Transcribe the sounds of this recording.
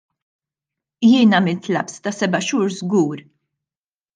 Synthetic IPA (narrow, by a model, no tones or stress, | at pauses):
jɪːnɐmɪlt̪lɐ̰pst̪ɐsɛbɐʃuːɾzɡuːɾ